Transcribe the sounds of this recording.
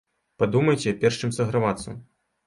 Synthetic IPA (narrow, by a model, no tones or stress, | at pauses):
pad̪umɐjt͡sʲɛpʲɛrʂt͡ʃɨmsɐɣɾavat̪sːɐ̰